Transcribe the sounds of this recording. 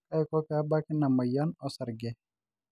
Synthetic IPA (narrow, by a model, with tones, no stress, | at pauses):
ka˦i˦kɔ˦ka˦ba˦kɪ˦na˨ma˨ja˦nɔ˨sa˨ɾɡɛ˨˦